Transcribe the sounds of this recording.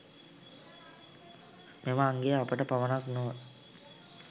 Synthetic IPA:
meməːŋɡejəapəʈəpaʋənaknoː

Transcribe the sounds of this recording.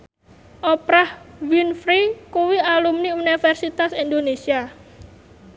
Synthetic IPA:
ʔɔpɾahwinfɾikuwialumniunifɛrsit̪asind̪onesia

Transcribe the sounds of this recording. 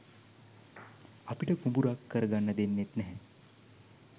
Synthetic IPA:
ɐpiʈəkumbuɾakːəɾɡanːɐd̪enːet̪nɛɦɛ̃

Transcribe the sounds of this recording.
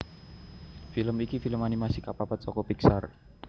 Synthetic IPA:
filəmikifiləmanimasikapapat̪̚sɔkɔpiksar

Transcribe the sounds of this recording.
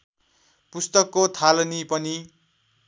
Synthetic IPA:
pust̪ʌkːot̪ʰalʌnipʌni

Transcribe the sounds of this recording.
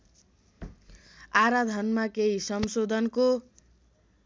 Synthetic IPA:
aɾad̪ʱʌnmakeɦisʌmsod̪ʱʌnko

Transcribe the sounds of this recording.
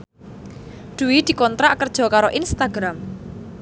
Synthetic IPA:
d̪̥uwid̪̥i̤kɔnt̪ɾaʔkərd̥ʒ̥ɔ̤kaɾoʔinst̪aɡ̥ɾam

